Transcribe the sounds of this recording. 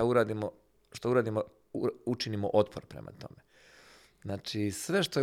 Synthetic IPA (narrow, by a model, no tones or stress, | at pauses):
auɾaːd̪imo | ʃt̪auɾaːd̪imo | uut͡ʃinimo̰ʔo̞t̪pʰo̰ɾpɾḛma̰t̪o̞me | znaːt͡ʃisʋe̞ʃt̪o